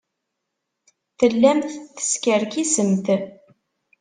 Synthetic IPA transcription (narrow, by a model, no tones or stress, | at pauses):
θəlːæmθθə̥skəɾkisəmθ